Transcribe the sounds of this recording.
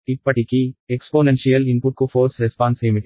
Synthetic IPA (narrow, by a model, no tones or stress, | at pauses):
ipːɐʈikiekspoːnenʃijɐlinpuʈ̚kufʰoːɾsɾɛspaːnseːmiʈ